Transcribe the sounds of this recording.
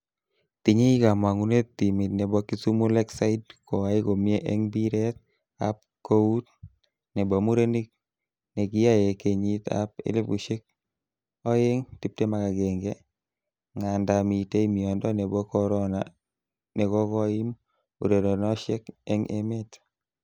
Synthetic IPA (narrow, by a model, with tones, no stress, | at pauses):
t̪i˨ɲi˦i˦ka˨ma˨ŋu˦ne˦tti˨mi˨t̪nɛ˨bɔ˧ki˦su˦mu˦lɛ˦ksa˦ɪ˦dkʰɔ˨a˨˦i˦ko˨mje˦ʔɛŋbi˦ɾɛ˦t̪̚ | a̰p̚ | ko˦u˦t̚ | nɛ˨bɔ˨mu˦ɾe˦ni˦k̚ | ne˨ki˦ja˦je˨ke˨ɲi˦t̪a̰p̚ḛ˦lɪ˦pu˨ʃi˦k̚ | ɔ˦e˦ŋti˦p̚te˦ma˨ka˨ɡɛ˨ŋɡɛ˦ | ŋa˨nda˨mi˨te˦i˦mi˨ɔ˨ndɔ˦ne˨bɔ˦kɔɾɔ˦na˨ | nɛ˨kɔ˦kɔ˦ɪ˦m | ṵ˨ɾe˨dɔ˨nɔ˦ʃɛ˦kɛŋʔemɛ˦t